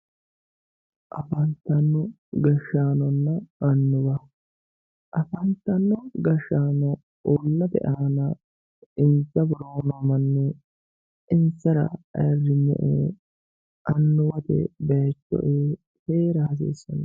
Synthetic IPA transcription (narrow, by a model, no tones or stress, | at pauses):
ʔɐfɐnt̪ːɐnːɔ | ɡɐʃːaːnɔnːɐʔɐnːʊbɐ | ʔɐfɐnt̪ːɐnːɔɡɐʃːaːnɔ | ɔlːɐt̪ɛ̰ʔaːnɐ | ɪnt͡sːɐbʊɾoːnɐmɐnːɛ | ʔɪnt͡sːɐɾɐ̰ɐ̰rːɪɲːɛ̰ʔe | ʔɐnːʊwɐt̪ɛ̰bɐjɐt͡ʃːɔ̰ʔeːt̪eːɾɐhɐs̬ḭːsːɔnɐ